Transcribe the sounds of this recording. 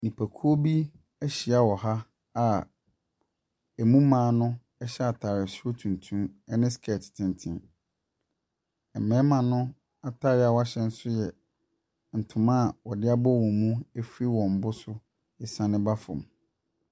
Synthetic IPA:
nĩ˨pʰæ˨kʰu˦o˦bi˦ | æ˦ɕi˨a˦wɔ˨ha˦ | a˨ | ɛ˨mũ˦mãː˨˦nʊ̃˦ | ɛ˦ɕɛ˦a˨tʰa˨ɾɛ˨sʊ˦o˦tʰũ˨ntʰũ˦mɛ˦nɪ̃˦skʰɛ˨tʰɪ̥˨tʰɪ̃˨ntʰɪ̃˨n | ɛ˨mɛ̃ː˦mã˨nʊ̃˦ | a˨tʰa˦ɾɪ˨˦a˨wa˦ɕɛ̃˦n̩˦sʊ˦jɛ˨ | n̩˨tʰʊ̃˨mã˦˨wɔ˨dɪ˦a˦bɔ˦˨wɔ̃˨mũ˦æ˦fi˦wɔ̃˨m̩˨bʊ˦sʊ˦ | ɪ˨sã˨nɪ̃˦ba˦fʊ̰̃˨m

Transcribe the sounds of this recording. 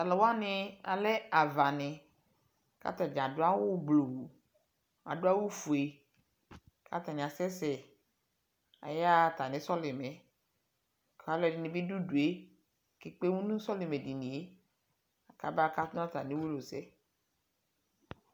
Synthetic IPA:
a˨lɛ˨wo˦a˦nɪ̃˦a˨lɛ˦a˨va˨nɪ̃˨ | ka̰˦t̪a˨d͡ʒã˨dʊ˦a˦wʊ˦ɡ͡blo˨wu˨ | a̰˨dʊ˦a˦wo˦fu˨e˨ | kʰa̰˦t̪a˨nɪ̃˨a˨sɛ˦sɛ˨ | a̰˨ja˦˨t̪a˨nɪ̃˨sɔ˦lɪ˨mɛ˨ | ka˨˦lɛ˨dɪ˨˦nɪ̃˨bi˦du˦du˨e˦ | ke˨k͡pe˦wũ˦nũ˦sɔ˦lɪ˨me˨di˨nĩ˨e˦ | a˨ka˦ba˦ka˦tn˦ã˦t̪a˨nɪ̃˨˦wo˦lo˨sɛ˦

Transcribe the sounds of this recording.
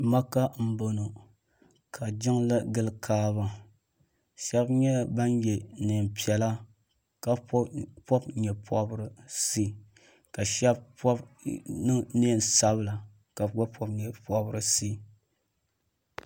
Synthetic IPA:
ma˦ka˦m̩˦bo˨no˨ | kʰa˨d͡ʒɪ˦ŋla˦ɡɨ˦lkʰaː˦βa˨ | ʃɛ˦bɲɛ˦ba˦njɛ˨neː˨m˨pi˨ɛ˨la˦ | ka˨˦pɔ˦bɲɛ˨pʰɔ˦bɾɨ˨si˦˨ | ka˨ʃɛ˦bpɔ˦ | neː˦˨n˨sa˦bɨ˦la˨ | ka˨ɡa˦pɔ˦bɲɛ˨pɔ˦bɨ˨ɾɨ˨si˦

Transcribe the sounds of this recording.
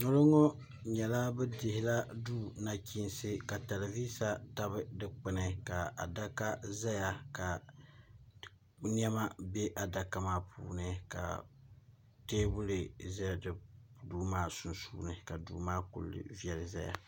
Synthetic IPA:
nɔ˦lɔ˦ŋɔ˦ | ɲɛ˨la˦bɛ˦dɪ˨hɪ˨la˦duː˦na˨ki˦nsɨ˦ka˨ta˨la˨viː˦sa˦ta˦bɨ˦dɨ˦k͡pɪ˦˨nɨ˨ka˨a̰˨da˦ka˦za˦ja˨ka˨˦ | ni˦ɛ˦ma˦be˦ʔa˨da˨ka˨maː˦pʰṵː˨nɨ˦ka̰˨ | teː˦bʊ˦lɨ˨za˦ja˨dɨ˦duː˦maː˦˨su˨nsṵː˦nɨ˨ka˨dṵː˨˦maː˦kṵ˨lːɨ̰˨vi˨ɛ˨lɨ˨za˦ja̰˨

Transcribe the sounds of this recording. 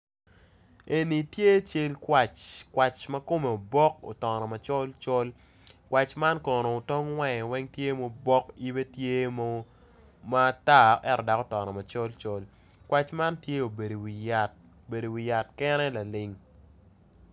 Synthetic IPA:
e˨ni˨tje˦t͡ʃe˦lkwa˨t͡ʃkwa˨t͡ʃmɐ˦ko˦me˨o˨bɔ˦ko̰˨tɔ˨nɔ˨ma˨t͡ʃɔ˦lt͡ʃɔ˦l | kwa˨t͡ʃma˦nkɔ˨no˨o˨tɔ˦ŋwɛ˦˨ŋɛ˨wɛ˦ŋtje˦mo˦bɔ˦ki˦be˦tje˦mo˦ | ma˦ta˦ʔɛ˦ɾɔ˨da˨ko˦tɔ˨nɔ˨ma˨t͡ʃɔ˦lt͡ʃɔ˦l | kwa˨t͡ʃma˦ntje˦o˨be˨ɾo˨wi˨ja˨t̚ | o˨be˨do˨wi˨ja˨tkɛ˦nɛ˦la˨lɪ˨ŋ

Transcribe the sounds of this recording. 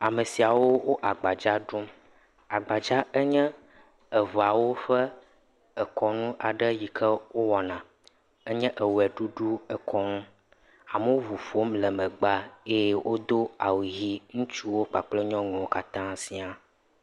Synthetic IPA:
a˨mə˨si˨a˨wo˦wo˦ʔa˨ɡ͡ba˨d͡ʒa˦ɖo˦m | a˨ɡ͡ba˨d͡ʒa˦ɛ˦ɲɛ̃˦ | ə˨vo˨a˨wo˦ɸɛ˦ | ɛ˨kʰɔ˨nũ˦ʔa˨ɖə˦ji˨kʰɛ˦wo˦wɔ˨nã˨ | ə˦ɲɛ̃˦ʔə˨wɛ˨ɖu˦ɖu˦ɛ˨kʰɔ˦nũ˦ | a˨mə˦wo˦vu˨fo˦mlɛ˨mɛ̃˨ɡ͡ba˦e˦jwʔo˦d̪o˦a̰˨wu˨ɣi˦ŋũ˦t͡ʃu˦wo˦k͡pa˨k͡plɛ˦ɲɔ̃˦ŋɛ̃˨wo˦ka˦t̪ã˦sĩ˦a˨

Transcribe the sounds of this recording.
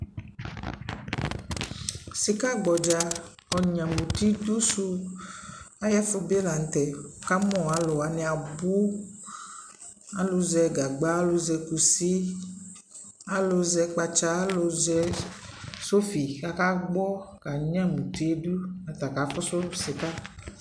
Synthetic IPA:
si˦ka˦ɡ͡bɔ˨d͡ʒa˨˦ | ɔ˨ɲã˨mũ˨t̪i˦d̪u˦su˦ | a˦ja˦fo˦be˦la˨ŋ̩˨˦t̪ɛ˨ka˦mɔ̃˦˨a˨lo˨a˨nɛ˨a˨bu˦ | a˦lo˨zɛ˨ɡa˨ɡ͡ba˦a˦lo˨zɛ˨ku˨si˦ | a˦lo˨zɛ˨k͡pa˧t͡ʃa˦lo˨zɛ˦ | so˦fi˨ka˨ka˦ɡ͡bɔ˦ka˨ɲ˦ã˦mũ˨t̪i˦du˦a˨t̪a˨ka˨˦fɔ˦so˦si˨ka˦

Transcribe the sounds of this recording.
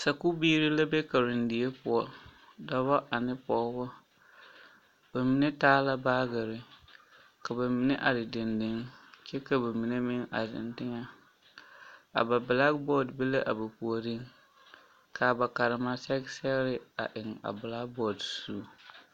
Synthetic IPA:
sa˨ku˦biː˦ɾɪ˦la˦be˦ka˨ɾɪ˨ndɪ˨e˦pʊ˨ɔ˨ | da˦ba˦ʔa˨nɪ˦pɔ˨˦bʊ˦ | b̥a˨mi˨ne˦taː˦la˦baː˦ɡɪ˨ɾɪ˨ | ka˨ba˨mi˨ne˦ʔa˨dɪ˨dɪ˨ndɪ˦ŋt͡ʃɛ˦ka˨ba˨mi˨ne˦mɪ˦ŋa̰˨dɪ̰˨ndɪ˦ŋa˦ | a̰˨ba˨bla˦ɡ̚bɔ˦dbe˦le˦ʔa˨ba˨pu˨o˨dɪ˦ŋ | kʰa˨ba˨ka˨ɾɪ˨ma˦sɛ˦ɡsɛ˦ɾɪ˦a̰˨ʔɪ˨ŋa̰˨bla˦k̚bɔ˦˨dsu˦˨˦

